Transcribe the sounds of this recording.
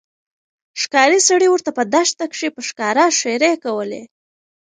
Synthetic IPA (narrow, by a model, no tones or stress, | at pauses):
ʂkɑɾisaɽiwəɾt̪apəd̪aʃt̪akʂipəʂkɑɾaʃeɾekawəlḛ